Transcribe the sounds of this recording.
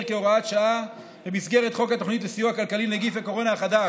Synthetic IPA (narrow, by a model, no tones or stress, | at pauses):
ʁkeoʁaat̪ʃaʔa | bemisɡe̞ʁet̪χo̞kat̪o̞χnit̪lesijuakalkalineɡifako̞ʁo̞naχad̪a